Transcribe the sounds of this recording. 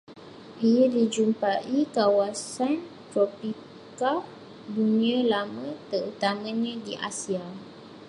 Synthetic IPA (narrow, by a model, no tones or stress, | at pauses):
ʔijadid͡ʒumpaʔikawasan | t̪ɾɔpi | ka | duniãlamə̃t̪ərut̪amãɲãdiʔa̰sia